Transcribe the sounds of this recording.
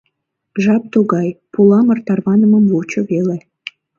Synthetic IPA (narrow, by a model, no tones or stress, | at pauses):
ʒɑp̚t̪uɣɑjpulɑmərt̪ɑrβɑnəməmwut͡ɕŏvele